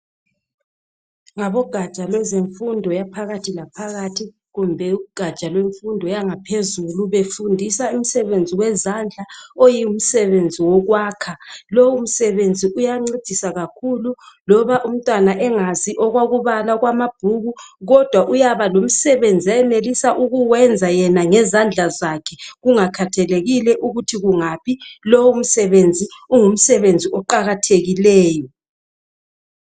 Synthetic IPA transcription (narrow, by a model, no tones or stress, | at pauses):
ŋaβɔɡ̥ʱḁt͡ʃʼalwɛzeɱfundʱɔjapʰaɣatʰilapʰaɣatʰi | ɣumbʱɛuɡ̥ʱat͡ʃʼalweɱfundʱɔjaŋapʰezuluβefundʱisaum̩sɛβend͡zʱiwɛzand͡ɮʱaojium̩sɛβend͡zʱiwɔɣwaːkʰalowum̩sɛβend͡zʱiʔujaŋ͡ǀid̥ʱisaɣakʰululɔβaʔum̩tʼwanaʔɛŋaziʔɔɣwaɣuβalaɣwamab̥ʱuɣuɣɔd̥ʱwaʔujaβalom̩sɛβend͡zʱiajɛnelisaʔuɣuwɛnd͡zʱajɛnaŋɛzand͡ɮʱazakʰɛɣuŋakʰatʰɛleɣilɛʔuɣutʰiɣuŋapʰilowum̩sɛβend͡zʱiuŋum̩sɛβend͡zʱiɔǃaɣatʰeɣilɛːjɔ